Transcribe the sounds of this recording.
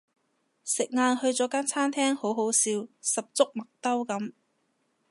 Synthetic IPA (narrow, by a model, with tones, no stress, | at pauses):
sɪ˨k̚ŋaː˧nhɵ˧ɥt͡sɔː˨˥kaː˥nt͡sʰaː˥nt̪ʰɛː˥ŋho˨˥wɦo˨˥wsiː˧wsɐ˨p̚t͡sʊ˥k̚mɐ˨k̚t̪ɐ˥wkɐ˨˥m